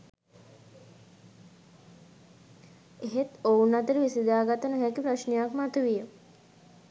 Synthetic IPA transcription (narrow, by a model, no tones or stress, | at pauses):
eɦet̪ounat̪əɾəʋisid̪aːɡat̪ənəɦækipɾaʃnejakmat̪uʋijə